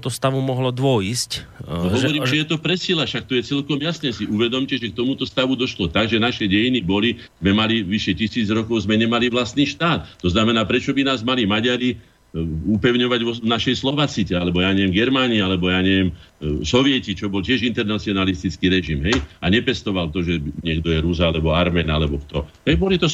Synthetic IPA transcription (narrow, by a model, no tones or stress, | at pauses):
t̪ɔst̪aʋumɔɦlɔd̪ʋɔiscɔɦɔʋɔɾiːmʒɛjɛt̪ɔpɾɛsilaʃak̚t̪ɔjɛt͡sɛlkɔmjasɲɛsiʔuʋɛd̪ɔmcɛʒɛk̚t̪ɔmut̪ɔst̪aʋud̪ɔʃlɔt̪aɡʒɛnaʃɛɟɛjinibɔli | zmɛmaliʋiʃɛcisiːd͡zɾɔkɔʊzmɛɲɛmaliʋlast̪niːʃt̪aːt̪t̪ɔznamɛnaːpɾɛt͡ʃɔbinaːzmalimaɟaɾi | upɛʊɲɔʋaɟʋɔnaʃɛjslɔʋaːt͡sicɛalɛbɔjaːɲɛʋjɛmɡɛɾmaːnialɛbɔjaːɲɛʋɪɛm | sɔʋɪɛcit͡ʃɔbɔlcɪɛʒint̪ɛɾnat͡siɔnalist̪it͡skiɾɛʒimɦɛjaɲɛpɛst̪ɔʋalt̪ɔʒɛɲɪɛɡd̪ɔjɛɾuzaalɛbɔaɾmɛːnalɛbɔkt̪ɔɦɛjbɔlit̪ɔ